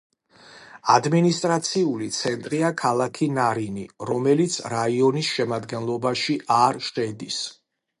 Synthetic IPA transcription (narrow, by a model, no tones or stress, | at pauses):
ad̪minist̪ʼɾat̪sʰiulit̪sʰɛnt̪ʼɾiakʰalˠakʰinaɾiniɾɔmɛlit̪sʰɾaiɔnisʃɛmad̪ɡɛnlˠɔbaʃiʔaɾʃχɛd̪is